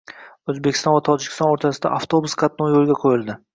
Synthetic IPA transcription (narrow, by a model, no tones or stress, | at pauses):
ɵzbekʲɪ̥st̪ɒ̃nvat̪ʰɒd͡ʒɪkʲʰɪ̥st̪ɒnoɾt̪ʰasɪd̪a̰ʔaft̪ʰobusqʰɑt̪̚nojolˠɡʲaqʰojɪlˠd̪ɪ